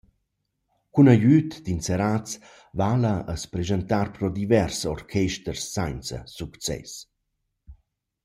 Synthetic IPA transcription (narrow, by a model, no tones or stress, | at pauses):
kunajyt̪d̪inseɾat͡s | valəʔəspɾezənt̪aɾpɾɔd̪ivɛrsɔrkʰɛʃt̪ərsːajnt͡sə̰sukt͡sɛ̰s